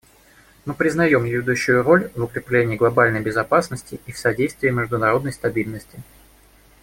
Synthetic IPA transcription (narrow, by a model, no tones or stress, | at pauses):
mɨpɾʲɪznɐjo̞mjɪjʲɪd̪uɕːʊjʊɾo̞lʲvʊkɾʲɪplʲenʲɪːɡlˠɐbalʲnəjbʲɪzɐpasnəsʲtʲɪifsɐdʲejst̪vʲɪːmʲɪʐd̪ʊnɐɾo̞d̪nəjst̪ɐbʲilʲnəsʲtʲɪ